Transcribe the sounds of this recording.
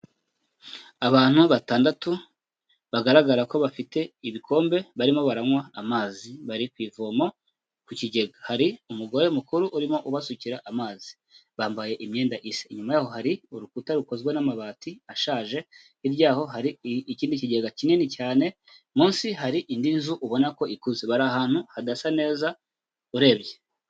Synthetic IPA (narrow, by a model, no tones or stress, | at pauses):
aβaːn̥huβataːndatu | βaɡaɾaɡaɾako̞βafite̞iβikʰo̞ːmbe̞βaɾimo̞βaɾaŋwaːmaːziβaɾikwiːvomo̞ | kuciɟe̞ɡahaɾiumuɡo̞ɾe̞mukuɾuʔuɾimo̞ʔuβasuciɾaʔamaːzi̥ | βaːmbaje̞ʔimɲe̞ːndaʔiseiɲumajaːho̞haɾiuɾukutaɾukozɡwenamaβaːtiaʃaːʒe̞ | iɾɟaːho̞ɦaɾiiciːndiciɟe̞ɡacinenicaːne̞ | muːnsiɦaɾiʔindinzuʔuβo̞nako̞ikuzeβaɾaːhaːn̥huhadasane̞ːza | uɾe̞ːβɟe̞